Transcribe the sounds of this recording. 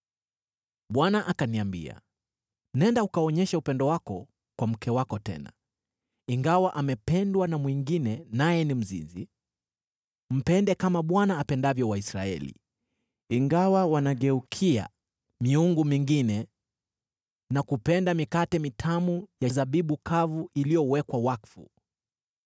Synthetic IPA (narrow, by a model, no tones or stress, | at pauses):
ɓwanaʔakaniambḭa̰ | nɛndaukaɔɲɛʃaupɛndɔwakɔ | kwam̩kɛwakɔtɛ̰na̰ | iŋɡawaʔamɛpɛndwanamwiŋɡinɛnajɛnim̩zḭzi | m̩pɛndɛkamaɓwanaːpɛndavjɔwaisɾa̰ɛ̰lḭ | iŋɡawawanaɠɛukʰia̰ | miuŋɡumiŋɡinɛ | nakupɛndamikatɛmitʰamujazaɓiɓukʰavuilijɔwɛkwawakfṵ